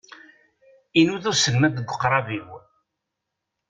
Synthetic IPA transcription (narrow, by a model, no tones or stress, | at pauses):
inuðʊɾsəlmæd̪əɡʷəqːɾˤɑviw